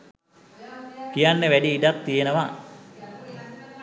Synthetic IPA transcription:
pijanːəʋæɖiːɖak̪t̪ijenəʋa̰

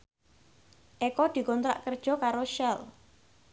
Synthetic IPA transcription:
ʔekɔd̪̥i̤kɔnt̪ɾa̰ʔkərd̥ʒ̥ɔ̤kaɾoʃɛl

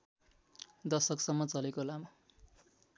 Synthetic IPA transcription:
d̪ʌsʌksʌmːʌt͡sʌlekolamʌ

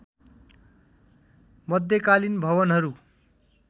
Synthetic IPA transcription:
mʌd̪ʱjʌkalinbʱʌβʌnɦʌɾu

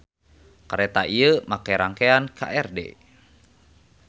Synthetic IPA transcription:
kəɾɛt̪aʔiəmakajɾaŋkeankʰa̰ʔɛrdḛ

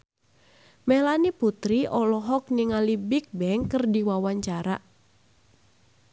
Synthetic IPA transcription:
melaniput̪ɾiʔɔlɔɦɔk̚niŋalibik̚bɛŋkərdiwawaɲt͡ʃaɾa̰ʔ

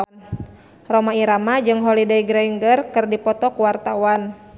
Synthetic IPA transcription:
rɔmaiɾamad͡ʒɨŋɦɔlidaiɡɾɛjŋɡərkɨrdipɔt̪ɔkuwart̪awan

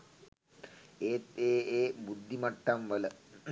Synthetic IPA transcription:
eːt̪eːeːbud̪ʱːimɐʈːɐmʋɐlɐ

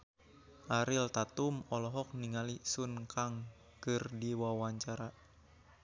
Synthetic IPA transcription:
ʔaɾilt̪at̪umɔlɔɦɔk̚niŋalisunkʰaŋ | kɨrdiwawaɲt͡ʃaɾa

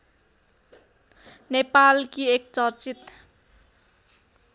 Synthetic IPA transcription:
nepalkiek̚t͡sʌrt͡sit̪

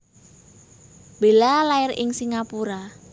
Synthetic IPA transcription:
b̥elalaɪrɪ̰ŋsiŋapuɾa

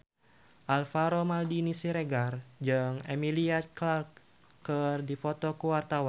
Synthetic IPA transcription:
ʔalfaɾomaldinisiɾeɡard͡ʒɨŋemiliaklak | kərdifɔt̪ɔkuwart̪awan

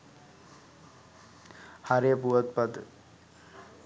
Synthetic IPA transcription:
haɾepuat̪pad̪ə

